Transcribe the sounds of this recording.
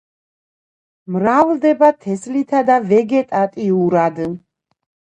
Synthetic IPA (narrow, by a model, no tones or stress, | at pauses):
mɾavld̪ɛbat̪ʰɛslit̪ʰad̪avɛɡɛt̪ʼat̪ʼiuɾad̪